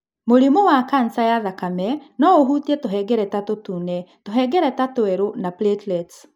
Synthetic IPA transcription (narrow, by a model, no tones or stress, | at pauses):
moɾimowakansajaðakamɛnɔoɦutiɛtoɦɛɡɛɾɛtatotunɛtoɦɛɡɛɾɛtatoɛɾonaplɛtlɛt